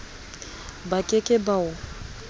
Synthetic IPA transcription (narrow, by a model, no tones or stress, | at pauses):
bakʼɪkʼɪbaʊ